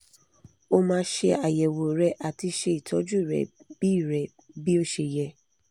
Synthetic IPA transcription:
o˧mãː˧˦ʃe˧a˨jɛ˨wo˨ɾɛ˧˦ʔa˨ti˧ʃe˧˦i˨tʰɔ˨˦d͡ʒu˦˨ɾɛ̰˨bi˦˨ɾɛ˨ | bi˦o˦ʃe˧jɛ˧

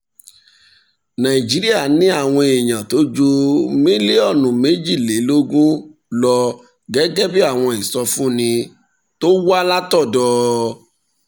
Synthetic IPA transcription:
nã˨ĩ˨d͡ʒi˨˦ɾi˦a˦˨nĩ˦a˦˨w̃ɔ̃˧e˨j̃ã˨to˨˦d͡ʒo˧me˦le˦ɔ˦˨nũ˨me˨˦d͡ʒi˦˨le˨˦lo˦ɡũ˦ | lɔ˧ | ɡɛ˨˦ɡɛ˦bi˦a˦˨w̃ɔ̃˧i˨sɔ˧fũ˦˨nĩ˧ | to˦wa˦la˦tɔ˦˨dɔː˧˦

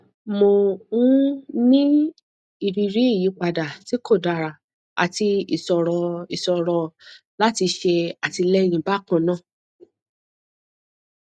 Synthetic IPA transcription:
mo˧˨ũ˦nĩ˦ | i˨bi˨˧ɾi˨˦i˦˨ji˨˦k͡pa˨da˨ti˨˦ko˦˨da˨ɾa˨ | a̰˨ti˧i˨sɔ˨ɾɔ˧i˨sɔ˧ɾɔ˧ | la˦ti˧ʃe˧a˨ti˧lɛ˦˧ñĩ˨˧ba˦˨kɔ̃˦˨nã˦˨

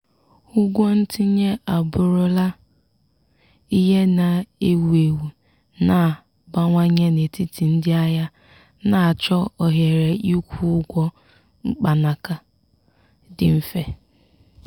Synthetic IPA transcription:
ʊ˦ɡʷɔ˦n̩˦ti˦ɲe˦a˨bʊ˨ɾʊ˦la˦ | i˦ɦe˦na˨e˦wu˨e˨wu˨ | na˨ | ba˦ŋʷa˦ɲe˦ne˨ti˦ti˨n̩˦dɪ˦a˦ja˦ | na˦˨a˨t͡ʃɔ˦ɔ˨ɦe˨ɾe˨ʔi˦kʷu˦ʊ˦ɡʷɔ˦ | ŋ͡m̩˦k͡pa˨na˨ka˨ | dɪ̰˨m̩˦fe˨

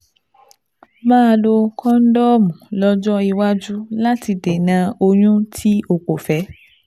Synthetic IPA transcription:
mãː˦˧lo˧kɔ̃˦n̩˦dɔ˦mũ˨lɔ˦d͡ʒɔ˦i˧wa˦d͡ʒu˦la˦ti˧de˨nã˨˧o˧ɲũ˦tʰi˦o˨k͡po˨fɛ˨˦

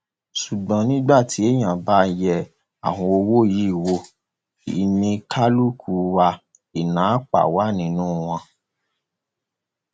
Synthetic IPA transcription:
su˨ɡ͡bã˨nĩ˦ɡ͡ba˦˨tʰi˨˦e˦˨j̃ã˨ba˦jɛ˧ | a̰˨wɔ̃˧o˧wo˦˨ji˦˨wo˧ | i˨nĩ˧kʰa˦lu˦kʰu˨˧˦wa˧ | i˨nãː˨˦k͡pa̰˨wa˨˦˨nĩ˧˦nũː˦w̃ɔ̃˧

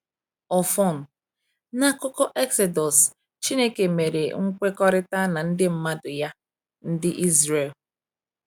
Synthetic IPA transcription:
ɔ˨fɔ˦˨n̩˨ | na˦kʊ˦kɔ˦ʔɛ˦kse˨dɔ˨s | t͡ʃi˦ne˦ke˨me˨ɾe˨ŋ̩˦kʷe˦kɔ˦ɾɪ˦ta˦na˨n̩˦dɪ˦m̩˦ma˦dʊ˨ja˦ | n̩˦dɪ˦ʔi˦zɾe˨l

